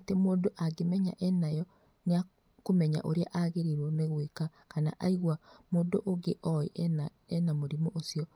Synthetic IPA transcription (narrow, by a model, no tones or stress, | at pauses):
atemoːdoʔaɡemɛɲa̰ʔɛnajɔ | nea | komɛɲa̰ʔoɾeaʔaɣeɾiɾwɔmeɣwekakana̰ʔaiɣwamoːdoʔoɡeʔɔḭ | ɛnamoɾimoʔosiɔ